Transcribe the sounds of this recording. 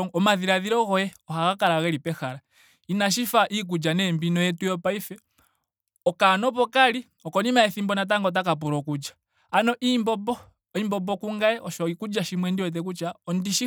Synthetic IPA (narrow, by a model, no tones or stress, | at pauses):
ɔmaðiɾaðiɾɔɣɔjɛɔhaɣakaɾaɣɛlipɛxaɾa | inaʃ̬ifaʔik̬ud͡ʒanɛmbinɔjɛtujɔpaifɛ | ɔkanɔpɔkali | ɔkɔnimaɛθimbɔnat̬aŋɡɔt̬akap̬uɾɔkud͡ʒḁː | nɔʔimbɔbɔ | imbɔbɔkuŋɡaɛʔɔʃɔikud͡ʒaʃimwɛndiwɛt̬ɛk̬ut͡ʃaɔndiʃi